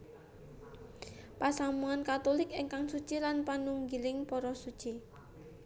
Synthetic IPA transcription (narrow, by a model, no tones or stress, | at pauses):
pasamuankat̪olɪkɪŋkaŋsu̥t͡ʃilanpanuŋɡilɪŋpɔɾɔsud̥t͡ʃi